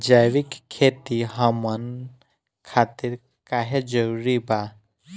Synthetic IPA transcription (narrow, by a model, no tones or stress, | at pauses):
d͡ʒajʋikʰːet̪iɦɐmən | kʰaːt̪iɾ | kaɦed͡ʒəɾuɾiba